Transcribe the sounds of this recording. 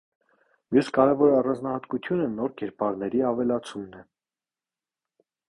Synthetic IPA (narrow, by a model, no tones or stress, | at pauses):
mjuskɑɾɛvɔɾɑrɑnd͡znɑhɑt̪kut̪ʰjunənɔɾkɛɾpɑɾnɛɾiɑvɛlɑt͡sʰumnɛ